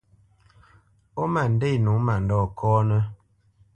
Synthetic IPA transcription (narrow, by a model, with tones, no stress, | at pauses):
ɔ˦ma˨n̩˨de˦˨nu˨˦ma˨n˨dɔː˦˨kʰɔː˦nə˦